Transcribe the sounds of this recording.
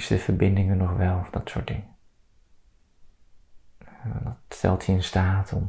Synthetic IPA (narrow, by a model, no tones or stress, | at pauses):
sdəv̥əɹbɪndɪŋənːɔχʋɛlˠɔfdɑtsʊːɹt̚dɪŋə | dɑtstɛ̰lˠthiɪnstaːtʰɔ̰m